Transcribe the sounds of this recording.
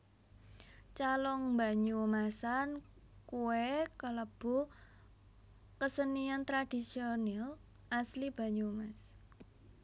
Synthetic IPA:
t͡ʃalɔŋmba̤ɲumasankuwekələb̥o̤ | kəsəniant̪ɾad̥isionɛl | ʔaslib̥ä̤ɲumas

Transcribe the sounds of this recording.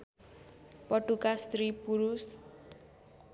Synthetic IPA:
pɔʈukast̪ɾipuɾus

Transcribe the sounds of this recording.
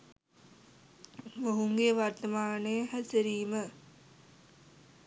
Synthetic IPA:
moɦuŋɡeʋɐɾt̪ɐmaːneɦɐsəɾiːmə

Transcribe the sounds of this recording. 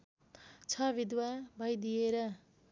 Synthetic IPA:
t͡sʰʌbʱid̪wabʱʌjd̪ijeɾʌ

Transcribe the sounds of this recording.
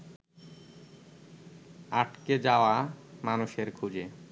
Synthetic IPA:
aʈked͡ʑaoamanuʃeɾkʰud͡ʑe

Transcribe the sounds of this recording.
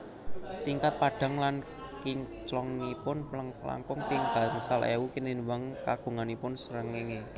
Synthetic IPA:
t̪iŋkat̪̚paɖ̥a̤ŋlan | kit͡ʃlɔŋnipʊnla̰ŋkʊŋpɪŋb̥a̤ŋsalḛukininuwaŋkaɡ̥ṳŋanipʊnsəɾəŋɪŋe

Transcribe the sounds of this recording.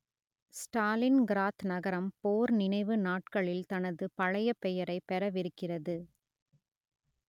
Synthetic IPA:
sʈaːlɪnɡɪɾaːt̪nɐɣɐɾɐmpoːɾnɪnɐɪʋɯnaːʈkɐɭɪlt̪ɐnɐðɯpɐɻɐjɐpːɛjɐɾɐɪpːɛɾɐʋɪɾɯkːɪrɐðɯ

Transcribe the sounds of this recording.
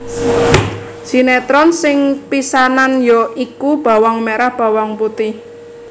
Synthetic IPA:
ʒ̥i̤nɛt̪ɾɔnsɪŋpisananjɔʔikub̥a̤wɔŋmeɾahb̥a̤wɔŋput̪ɪh

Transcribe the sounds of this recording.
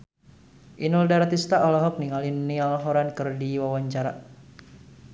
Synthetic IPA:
ʔinuldaɾt̪ist̪aʔɔlɔɦɔk̚niŋalinːialɔɦɔɾankɨrdiwawaɲt͡ʃaɾa̰

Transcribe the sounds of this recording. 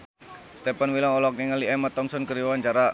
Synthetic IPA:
st̪epanwilaŋɔlɔk̚neŋəliɛmat̪ɔmsɔnkəɾiwanɲt͡ʃaɾa

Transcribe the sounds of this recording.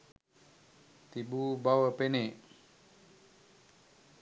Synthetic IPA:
t̪ibubawəpeneʔ

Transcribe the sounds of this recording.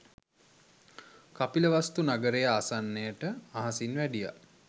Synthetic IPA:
kapiləʋast̪unaɡəɾejəasanːejəʈəaɦasinʋæɖija̰

